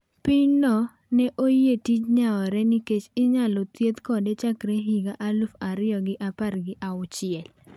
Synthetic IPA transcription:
pɪɲnɔ | nɛʔojetit͡ʃɲaɔɾɛnɪket͡ʃɪɲalɔt̪jet̪kɔdet͡ʃakɾeɦiɡaʔalufaɾɪɔɡɪʔaparɡɪʔaʊt͡ʃɪɛl

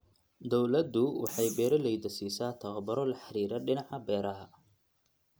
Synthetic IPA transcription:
d̪ɔwlɐd̪ːʊwɑ̰ħɑjbɛːɾɐlɛjd̪ɐsiːsaːt̪ʰɐɣɐbɐɾɔlɐħɑɾiːɾɐɖɪnɑʕɑbɛːɾɐɦɐ

